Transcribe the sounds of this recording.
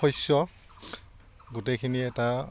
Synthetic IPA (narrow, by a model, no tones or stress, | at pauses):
ɔjsɔ | ɡutejkʰiniɛta